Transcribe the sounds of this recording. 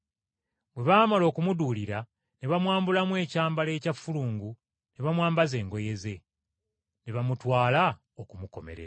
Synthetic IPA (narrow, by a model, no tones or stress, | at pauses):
bwe̞βaːmalo̞ːkumuduːliɾa | ne̞βamwaːmbulamwe̞ːcaːmbale̞ːcafːuluːŋɡu | neβamwaːmbaze̞ːŋɡo̞je̞ze̞ | neβamutwaːla | okumuko̞̰me̞̰ɾḛɾa